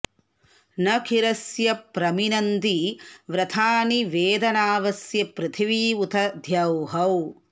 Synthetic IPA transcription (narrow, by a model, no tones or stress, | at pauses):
nɐkʰiɾɐsjɐpɾɐminɐnd̪iʋɾɐt̪ʰaːniʋeːd̪ɐnaːʋɐsjɐpɾɨt̪ʰiʋiːut̪ʰɐd̪ʱjɐwɦɐw